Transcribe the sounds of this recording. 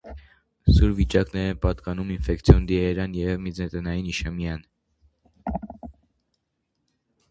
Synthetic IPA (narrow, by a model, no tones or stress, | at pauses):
suɾvit͡ʃɑknɛɾɛnpɑt̪kɑnuminfɛkt͡sʰjɔnd̪iɛɾɑnjɛvmid͡zɛt̪ɛnɑjiniʃɛmjɑn